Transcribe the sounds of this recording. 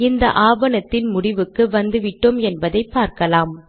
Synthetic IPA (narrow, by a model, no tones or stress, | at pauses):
ɪnd̪ɐ̰ʔaːbɐnɐt̪ːɪnmʊɽɪʋɯkːɯʋɐnd̪ɯʋɪʈːɯmɛnbɐðɐɪpːaːɾkɐlaːm